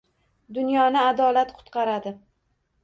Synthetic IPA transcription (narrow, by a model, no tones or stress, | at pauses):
d̪ʊnjɒnɪad̪ɒlat̪qʰʊ̥t̪qʰɑɾad̪ɪ